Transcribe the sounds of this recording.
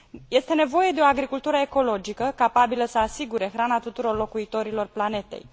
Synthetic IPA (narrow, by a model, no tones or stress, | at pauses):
je̞st̪e̞ne̞vo̞je̞d̪e̞oaɡɾikult̪uɾəeko̞lo̞d͡ʒikəkapabiləsəasiɡuɾe̞xɾanat̪ut̪uɾo̞rlo̞kuit̪o̞ɾilo̞rplane̞t̪e̞̰j